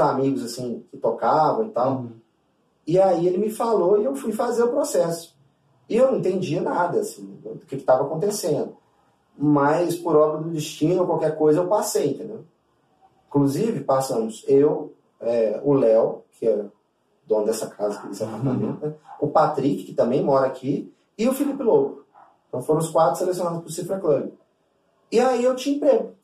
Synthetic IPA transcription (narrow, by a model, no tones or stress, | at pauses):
zamiɡʊzasĩkɪt̪okavɐ̃w̃ɪt̪aw | ɪaielɪmɪfaloɪewfujfazeɾʊpɾosɛsʊ̥ | ɪewñĩt̪ẽnd͡ʒiɐnad̪ɐːsĩẽd̪ewd̪ʊkɪkɪ̥t̪avɐakõt̪esẽnd̪ʊ | mɐjspʊɾɔbɾɐd̪ʊd͡ʒ̪ɪʃt͡ʃĩnʊokwawkɛɾkojzɐewpasejẽnt̪ẽnd̪ew | ĩkluzivɪpasɐ̃mʊsew | ɛʊlɛwkʰɪɛɾɐ | d̪õnɐd̪ɛsɐkʰazɐkɪd̪ɛsapaɾt̪amḛ̃t̪ɐʊpat̪ɾikɪ̥kɪt̪ɐ̃mbẽj̃mɔɾɐakʰi | ɪʊfilipɪloɡʊ | eẽt̪ɐ̃w̃foɾɐ̃ʊskwat̪ɾʊselesjonad̪ʊspʊɾsifɾɐklɐbɪ | ɪaiewt͡ʃĩĩpɾeɡʊ